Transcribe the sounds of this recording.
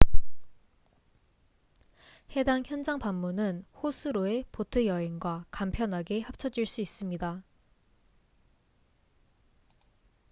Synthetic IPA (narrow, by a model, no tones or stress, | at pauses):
he̞daŋçjʌnd͡ʑaŋpamːunɯnhosʰuɾoe̞potʰɯjʌɦeŋɡwakampʰjʌnɦaɡe̞hap̚t͡ɕʰʌd͡ʑiɭs͈uis͈ɯmɲida